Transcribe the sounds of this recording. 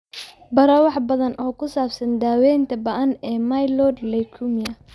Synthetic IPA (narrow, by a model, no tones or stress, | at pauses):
bɐɾɐwɑħbɐðɐnʔɔːkʰʊsaːbsɐnd̪aːwɛjnt̪ʰɐbɐʔɐnɛːmɐjlɔːdlɛjkʰʊmɪjɐ